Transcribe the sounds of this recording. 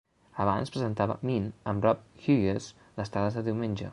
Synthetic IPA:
əβa̰nspɾəzənt̪aβə̰minəmrɔp̚xyjes | dəst̪ɾaðəzðəðiwmenʲd͡ʒə̰

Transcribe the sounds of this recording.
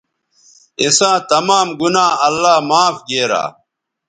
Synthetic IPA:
isãːt̪ɐmaːmɡunaːɐlːaːmaːfɡeːɾa̰ː

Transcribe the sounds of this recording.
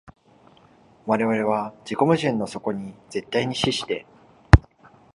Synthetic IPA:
βaɾe̞βaɾe̞βad͡ʑiko̞mɯ̟ʑĩnːo̞so̞ko̞ɲ̟id͡ze̞t̪ːaiɲ̟iɕiɕi̥t̪e̞

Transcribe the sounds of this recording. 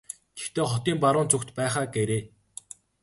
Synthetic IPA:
ɡe̥xt̪eːχɔt̪iːmpaɾʊːnt͡sʊkt̪pæːχaːɡeɾeː

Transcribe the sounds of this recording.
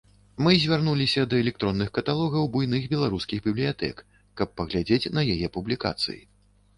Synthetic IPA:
mɨzʲvʲarnulʲisʲɐd̪ɐɛlʲɛk̚t̪ɾɔnːɨxkɐt̪alˠɔɣɐwbujnɨɣbʲɛlˠaɾuskʲiɣbʲiblʲijat̪ɛ̰kː | ɐpːɐɣlʲad͡zʲet͡sʲnɐjajɛpublʲika̰t̪sɨ̰jḭ

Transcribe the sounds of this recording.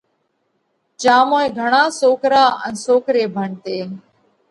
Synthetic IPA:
t͡ʃaːmõːẽːɡʱəɳaːsoːkɾaːə̰nsoːkɾeːbʱəɳt̪eː

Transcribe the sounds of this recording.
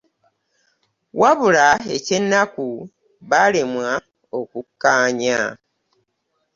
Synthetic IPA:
waβulae̞ce̞nːaku | βalemwa | o̞kukːaːɲa

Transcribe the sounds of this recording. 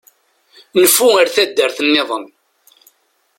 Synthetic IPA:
nəfːuəɾθæd̪ːəɾθənːɪðˤən

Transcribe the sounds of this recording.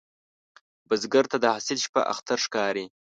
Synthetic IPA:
bazɡaɾt̪ad̪əhasɪlʃpa̰ʔa̰xt̪aɾʂkɑːɾi

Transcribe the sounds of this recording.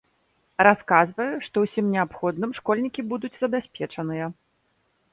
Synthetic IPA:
raskazvɐjuʂt̪ɔwsʲimnʲɛapxɔd̪nɨmʂkɔlʲnʲikʲibud̪ud͡zʲzɐbʲasʲpʲɛt͡ʂɐnɨjɐ

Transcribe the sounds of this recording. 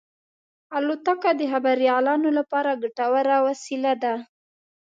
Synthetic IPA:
alot̪akad̪əɦabaɾjɑlɑnolapɑɾaɡaʈawaɾawasilad̪a

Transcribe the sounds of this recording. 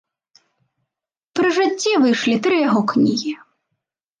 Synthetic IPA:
pɾɨʐɨt͡sʲːivɨjʂlʲit̪ɾɨjaɣɔknʲiɣʲi

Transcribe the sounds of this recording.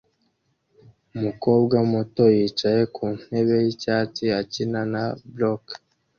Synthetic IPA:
umuko̞ːbɡamoto̞jiːt͡ʃaje̞kʰuːn̥e̞βe̞jicaːt͡ʃiacinanablok

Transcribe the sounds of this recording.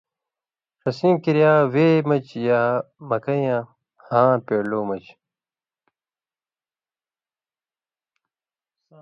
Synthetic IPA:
ʂɐsĩːmkiɾjaːweːmɐt͡ɕjaːmɐkɐjãː | hãːpeːloːmɐt͡ɕ

